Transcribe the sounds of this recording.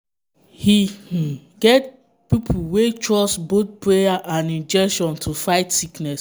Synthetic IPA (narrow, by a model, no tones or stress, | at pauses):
hih̩ɡɛt̚ | pipʰuwetʰɹɔsbot̪̚pɹejaʔãnĩnd͡ʒɛkʃɔ̃ntʰufaɪtsiknɛs